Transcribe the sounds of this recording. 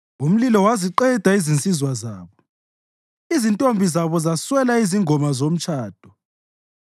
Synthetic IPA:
um̩lilɔwaziǃɛd̥ʱaizint͡sʼizwazaːβɔ | izintʼombʱizaβɔzaswɛlaiziŋɔmazom̩t͡ʃʰʼaːd̥ʱɔ̥

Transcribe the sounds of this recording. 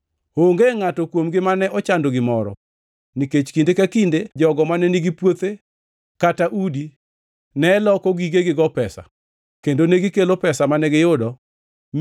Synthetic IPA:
oŋɡeŋatɔkwomɡɪmanɛʔɔt͡ʃandoɡɪmɔɾɔ̰ | niket͡ʃkindekakinded͡ʒɔɡɔmanɛniɡipwot̪e | kataʔudi | nɛlɔkɔɡiɡeɡɪɡɔpɛsa̰ | kendoneɡɪkelopɛsamanɛɡɪjʊdɔ | m

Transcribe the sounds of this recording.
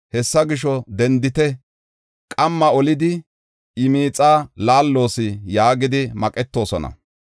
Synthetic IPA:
hɛsːɐɡɪʃɔd̪ɛnd̪ɪt̪ɛ | kʼɐmːɐɔlɪd̪ɪ | ɪmiːt͡sʼaːlaːlːo̞ːsɪjaːɡɪd̪ɪmɐkʼɛt̪ːo̞ːsɔnɐ̰

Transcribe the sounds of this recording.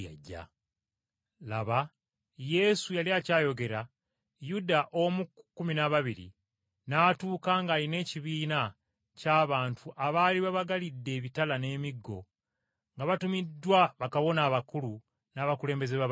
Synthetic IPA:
aɟːa̰ | laβa | je̞sujaliacaːjo̞ɡe̞ɾa | judaʔo̞mukːuminaβaβiɾḭ | naːtuːkaːŋɡaːline̞ːciβiːna | caːβaːntʰuʔaβaːliβaβaɡalidːe̞ːβitalane̞ːmiɡːo̞̰ | ŋɡaβatumidːwaβakaβo̞naːβakulu | naβakule̞ːmbezeβa

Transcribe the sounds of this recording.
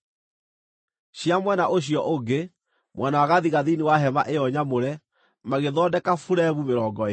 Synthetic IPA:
ɕiamwɛnaʔoɕ̬iɔʔoɡe | mwʔɛnawaɣaðiɣaðiniwaɦɛmaʔejɔɲamoɾɛ | maɣeðɔːdɛkafuɾɛβumeɾɔːɡɔe

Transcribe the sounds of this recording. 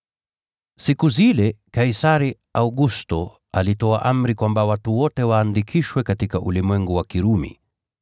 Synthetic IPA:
sikuzilɛkaisaɾi | auɡustɔ | alitɔaʔam̩ɾikwambawatuwɔtɛwaːndikʰiʃwɛkatikaʔulimwɛŋɡuwakiɾumḭ

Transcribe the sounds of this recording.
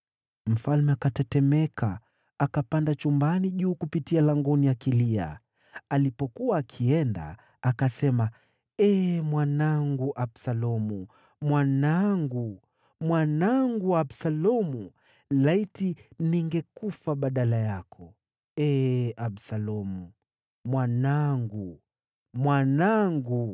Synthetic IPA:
m̩falmɛakatɛtɛmɛkʰa | akapandat͡ʃumbaniʄuːkupitialaŋɡɔnijakilia̰ | alipɔkuaːkʰiɛnda̰ː | kasɛma | ɛmwanaŋɡuʔabsalɔmu | mwanaŋɡu | mwanaŋɡuabsalɔmu | laitiniŋɡɛkufaɓaɗalajakʰɔ | ɛʔaɓsalɔmu | mwanaŋɡu | mwanaŋɡu

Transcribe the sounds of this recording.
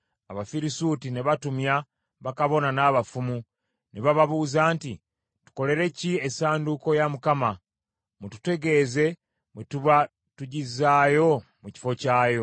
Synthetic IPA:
aβafiɾisuːtine̞βatumja | βakaβo̞nanaːβafumu | neβaβaβuːzaːnti | tu̥ko̞le̞ɾe̞ciesaːnduko̞jamukama | mutu̥te̞ɡe̞ːze̞ | metuβa | tuɟizaːjo̞muci̥fo̞caːjo̞

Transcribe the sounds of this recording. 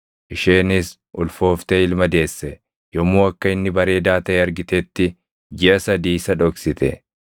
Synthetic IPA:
ʔɪʃeːnɪs | ʔʊlfo̞ːft̪eɪlmɐd̪e̞ːsːɛ | jɔmːuːɐkːɐɪnːɪbɐɾe̞ːd̪aːt̪ɐʔeɐɾɡɪt̪eːt̪ːɪ | d͡ʒɪɐsɐd̪iːsɐᶑɔksɪt̪ɛ

